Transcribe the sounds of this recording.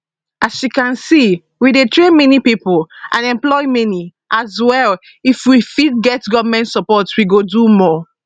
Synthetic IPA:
asʃikãnsi | widetɹemɛnipipulã̰nɛ̃mplɔjmɛni | ʔazwɛl | ifwifit̚ɡɛtɡɔvmɛ̃ntsɔpɔtwiɡodumɔ

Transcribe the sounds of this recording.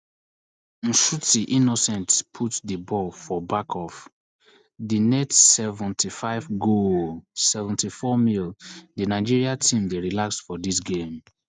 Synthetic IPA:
n̩ʃutiʔinosɛ̃ntpʰutdibɔlfɔbakʰɔf | dinɛtsɛvɛ̃ntʰifaɪvɡolsɛvɛ̃ntifɔmildinaɪd͡ʒiɹiatʰĩmdeɹilaksfɔdis̬ɡẽm

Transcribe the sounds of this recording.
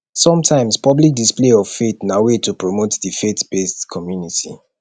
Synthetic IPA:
sɔ̃mtʰãɪ̃mspʰɔblik̚displeɔvfetnawetʰupɹomotdifetb̥estkʰɔmjunitʰḭ

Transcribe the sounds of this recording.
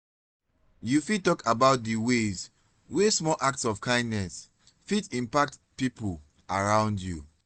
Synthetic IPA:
jufid̚tɔkʰabaʊt̚dəwez | wesmɔlʔak̚tsɔfkʰãɪ̃ndnɛs | fitĩmpak̚tpipul | aɹãʊ̃ndju

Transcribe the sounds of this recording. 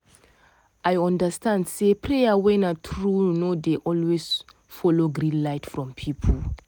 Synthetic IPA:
ʔajɔ̃ndəstãndsepʰɹejəwɛ̃natʰɹunodeʔɔlwez | fɔloɡɾĩnlaɪtfɹɔ̃mpʰipʰəl

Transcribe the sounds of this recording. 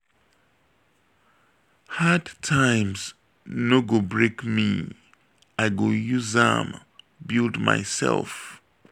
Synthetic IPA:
hadtʰãɪ̃mz | noɡobɹekmḭ | aɪɡojuzã̰m | bilˠdma̰ɪsɛ̰lˠf

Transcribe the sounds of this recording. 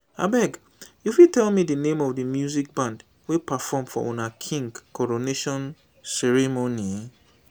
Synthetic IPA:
a̰bɛɡ | jufitɛlˠmidənẽmɔvdəmjuzik̚bãnd | wipafɔmfɔ̰ʔonakʰĩŋɡkːɔɹoneʃɔ̃n | sɛɹimoni

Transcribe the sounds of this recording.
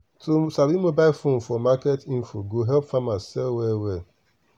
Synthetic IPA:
tʰosaɾimobaɪfonfɔmaketin̩foɡoɦɛlpfamassɛlwɛwɛ

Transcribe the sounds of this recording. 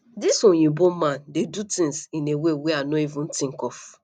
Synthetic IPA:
disõjĩbomãndedutĩŋsĩneweweanoivũn̩tĩŋkɔf

